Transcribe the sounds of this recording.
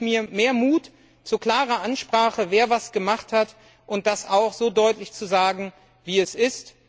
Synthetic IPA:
miːɐmeːɐmuːt | t͡sukl̥aːʁɐʔanʃpʁ̥aːχəveːɐvasɡ̥əmaχthat | ʔʊnt̚d̥asaʊxz̥oːdɔʏtlɪçt͡suzaːɡŋ̩ | viːɛsʔɪst

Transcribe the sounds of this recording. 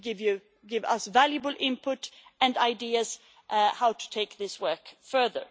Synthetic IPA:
ɡɪvjɨ | ɡɪvʌ̰svælˠjɨbəl̩ˠʔɪ̃mpʰʊɾɨ̃ndaɪdiɨz̥ | ʔhaʊtʰɨ̥tʰeɪk̚ðɪswɜ˞kfɜ˞ðə̰˞

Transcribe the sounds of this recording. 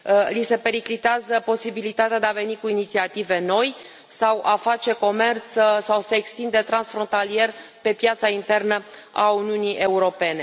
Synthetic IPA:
lise̞pe̞ɾiklit̪eazəpo̞sibilit̪at̪ead̪eave̞nikuinit̪siat̪ive̞no̞j | sawʔafat͡ʃe̞ko̞me̞rt̪ssawseːkst̪ind̪e̞t̪ɾansfɾo̞nt̪alie̞r | pe̞pjat̪saint̪e̞rnə | a̰uniuniʔe̞uɾo̞pe̞ne̞

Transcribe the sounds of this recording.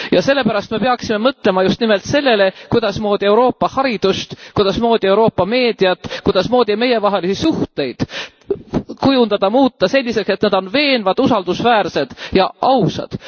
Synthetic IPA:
jɑse̞lːe̞pæɾɑst̪me̞peɑksime̞mɤt̪ˑle̞mɑjust̪nime̞lt̪se̞lːe̞le̞kujd̪̥ɑsmo̞ːd̪̥ie̞wɾo̞ːpːɑhɑɾid̪̥ust̪kujd̪ɑsmo̞ːd̪̥ie̞wɾo̞ːpːɑme̞ːd̪̥iɑt̪ːkujd̪̥ɑsmo̞ːd̪̥ime̞je̞vɑɦe̞lisisuht̪e̞jd̪̥ | kujund̪̥ɑd̪̥ɑmuːt̪ːɑse̞lʲːise̞kse̞t̪ned̪̥o̞nve̞ːnvɑd̪̥usɑld̪̥usvæːrse̞d̪̥jɑʔɑwsɑ̰d̪̥

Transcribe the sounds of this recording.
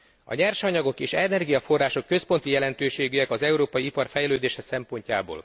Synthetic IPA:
ɒ̰ɲɛrʃɒɲɒɡo̞keːʃɛnɛrɡijɒfo̞rːaːʃo̞kːø̞spo̞nt̪ijɛlɛnt̪øːʃeːɡyɛkɒzɛuɾoːpɒjiipɒrfɛjløːd̪eːʃɛsɛmpo̞ɲcaːbo̰ːl

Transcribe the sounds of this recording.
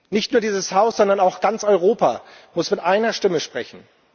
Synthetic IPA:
nɪçtnuːɐdiːzəshaʊsz̥ɔndɐnaʊxɡ̥ant͡sɔʏʁoːpa̰ | mʊsmɪtʔaɪnɐʃtɪməʃpʁ̥ɛ̰çn̩

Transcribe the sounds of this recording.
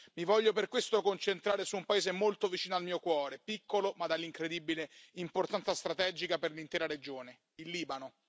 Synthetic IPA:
mivɔʎːoperkwest̪okont͡ʃent̪ɾaːɾesuːmpaeːzemolt̪ovit͡ʃiːnoalmiːokwɔːɾepikʰːolomad̪alːiŋkɾed̪ibileimport̪ant̪sast̪ɾat̪ɛd͡ʒikaperlint̪ɛːɾaɾed͡ʒoːne | ilːiːbano

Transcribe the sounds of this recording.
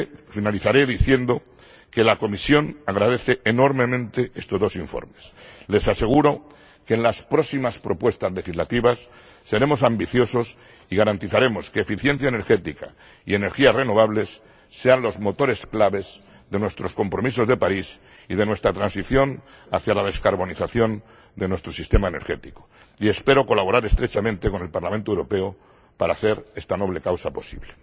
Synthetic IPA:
finaliθaɾe̞ðiθje̞nd̪o̞ | ke̞lako̞misjo̞naɣɾaðe̞θe̞ːno̞ɾmẽ̞mẽnt̪e̞est̪o̞zðo̞siɱfo̰ɾme̞sle̞sase̞ɣ̞uɾo̞ | keːnlaspɾosimaspɾo̞pwe̞st̪azle̞xizlat̪iβasː | e̞ɾe̞mo̞sambiθjo̞so̞s | iɣaɾant̪iθaɾe̞mo̞ske̞ːfiθje̞nθjaene̞ɾxe̞t̪ika̰ | ie̞ne̞ɾxiare̞no̞β̞aβle̞sː | e̞anlo̞zmo̞t̪o̞ɾe̞sklaβe̞z | ðe̞nwe̞st̪ɾo̞sko̞mpɾo̞mis̬o̞zðe̞paɾis | ið̞e̞nwe̞st̪ɾat̪ɾansiθjo̞n | a̰θjalað̞e̞skaɾβo̞niθaθjo̞n | d̪e̞nwe̞st̪ɾo̞sist̪e̞maene̞ɾxe̞t̪i̥ko̥ | ie̞spe̞ɾoko̞laβo̞ɾaɾe̞st̪ɾe̞t͡ʃamẽ̞nt̪eko̞ne̞lpaɾlamẽnt̪oewɾo̞pe̞o | paɾaːθe̞ɾe̞st̪ano̞β̞le̞kawsapo̞sḭβle

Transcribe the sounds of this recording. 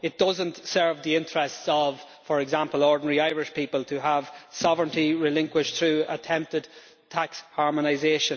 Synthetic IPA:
ɪt̚d̥ʌzə̃ntsɜ˞vðiɪ̃ntɹ̥ɛstsəv̥ | fə˞ɛɡzãmpəlˠɔɹdⁿn̩ɛɹiaɪɹɪʃpʰipəlˠtʰəəv̥sɑvɹə̃ntiɹɪlɪ̃ŋkwɪʃθɹʉətʰɛ̃mp̚tɪd̚ | tʰakshɑɹmənaɪzeʃə̃n

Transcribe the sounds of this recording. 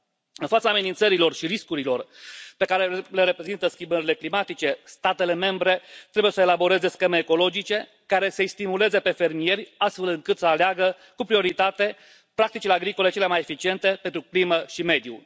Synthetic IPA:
ɨnfat̪saːme̞nint̪səɾilo̞rʃiɾiskuɾilo̞rpe̞kaɾele̞ɾe̞pɾe̞zint̪əskʲimbəɾile̞klimat̪it͡ʃe̞st̪at̪e̞le̞me̞mbɾe̞t̪ɾebujesəelabo̞ɾe̞ze̞skʲe̞me̞ːko̞lo̞d͡ʒit͡ʃe̞ | kaɾe̞sest̪imule̞ze̞pe̞fe̞rmije̞ɾʲast̪fe̞lɨŋkɨt̪səaleaɡə | kupɾio̞ɾit̪at̪e̞ | pɾak̚t̪it͡ʃileaɡɾiko̞le̞t͡ʃe̞lemaje̞fit͡ʃie̞nt̪e̞pent̪ɾukliməʃime̞d̪jṵ

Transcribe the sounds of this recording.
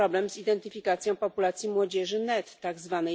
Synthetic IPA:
ɔblɛmzid̪ɛnt̪ɘfʲikat̪sʲjɔ̃w̃pɔpulat̪sʲjimwɔd͡ʑɛʐɘnɛt̪ːaɡzvanɛ

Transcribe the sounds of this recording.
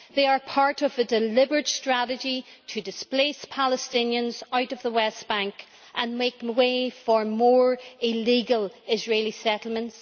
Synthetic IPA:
ðeɪə˞pʰaɹɾəvədɪlɪbə˞d̥stɹ̥aɾɨd͡ʒitʰədɪsplespʰalˠəstɪ̃njə̃nzaʊɾəvðəwɛsb̥ãŋk | ʔə̃nmeɪkweɪfə˞mɔːɹɪliɡəlɪzɹelˠisɛɾl̩ˠmə̃nts

